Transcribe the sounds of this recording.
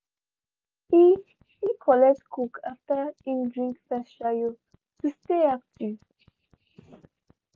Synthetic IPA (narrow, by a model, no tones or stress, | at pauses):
i | hikʰɔlɛk̚tkʰukʰaftəĩmdɹĩŋkfɛsʃajo | tusteap̚tu